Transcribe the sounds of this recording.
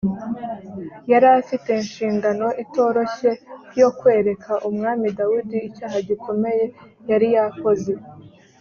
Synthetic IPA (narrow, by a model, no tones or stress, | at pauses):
jaɾafite̞inʃiːŋɡano̞ʔito̞ːɾo̞çe̞jo̞kwe̞ːɾekʰaʔumŋaːmidawudiːcaːɦaɟikʰo̞me̞je̞ | jaɾijako̞ze̞